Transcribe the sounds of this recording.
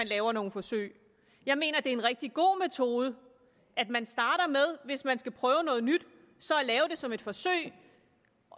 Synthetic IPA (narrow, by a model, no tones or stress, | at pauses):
ænlɛːʊɐno̝ːn̩fɒ̽sø̰ɪ̰ | jɑ̈ɪme̝̰ːnɐd̥e̝enʁɛɡ̥̚d̥iɡ̥o̝̰ːmet͡sʰo̝ːð̞ˠə | ʔæd̥mænsd̥ɑ̈ːɾ̥ɐmeð̞ˠʋe̝smænsɡ̥æpʰʁœːʊnɔ̽ːð̞̩ˠnyd̥ | sɒ̽ælɛːʊd̥e̝sɒ̽me̝d̥fɒ̽sø̰ɪ̰